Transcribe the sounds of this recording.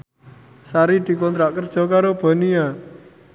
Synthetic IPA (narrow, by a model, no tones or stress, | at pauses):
saɾid̪̥i̤kɔnt̪ɾaʔkərd̥ʒ̥ɔ̤kaɾob̥a̤nia